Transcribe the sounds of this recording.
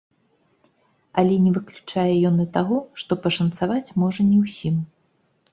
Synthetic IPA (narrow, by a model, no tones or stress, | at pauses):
ɐlʲɛnʲɛvɨklʲut͡ʂajɛjɔnɐt̪aɣɔʂt̪ɔpɐʂɐnt̪savat͡sʲmɔʐɐnʲɛwsʲim